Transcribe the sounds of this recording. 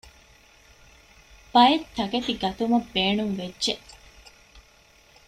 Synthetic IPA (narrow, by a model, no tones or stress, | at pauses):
b̥ɐjet̪ʰːɐɡɐt̪iɡɐt̪umɐbːeːnuŋʋedːʒeʔ